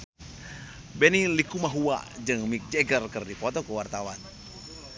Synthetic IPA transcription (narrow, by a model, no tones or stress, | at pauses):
bɛnilikumaɦua̰d͡ʒɨŋmik̚d͡ʒɛɡərkɨrdipɔt̪ɔkəwart̪awan